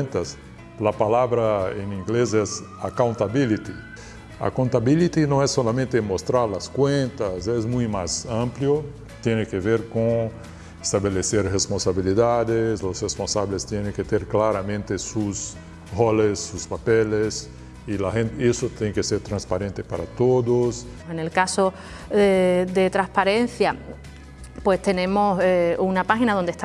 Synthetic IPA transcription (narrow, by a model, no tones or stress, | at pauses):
nt̪as | lapalaβɾaẽnĩŋɡlezɛz | akaw̃nt̪abilit̪i | a̰kõnt̪abilit̪inõɛsːolamẽnt̪emost̪ɾaɾlaskwẽnt̪asɛzmũjmazãmpljo | t̪jenekeveɾkõŋ | est̪aβeleseɾʁespõnsaβiliðad̪eslosrespõnsaβlest̪jenẽŋket̪eɾklaɾamẽnt̪esus | holesːuspapeles | ilahẽnt̪esot̪ẽŋkeseɾt̪ɾãnspaɾẽnt̪epaɾa̰t̪od̪os | enelkaso | eðet̪ɾaspaɾenθja | pwest̪enẽmoseunapaxinaðond̪est̪